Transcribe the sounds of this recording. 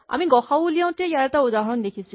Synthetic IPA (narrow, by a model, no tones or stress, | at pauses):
ʔa̰miɡɔxawulijãw̃tɛjaɹɛtaudaɦɔɹɔndekʰisi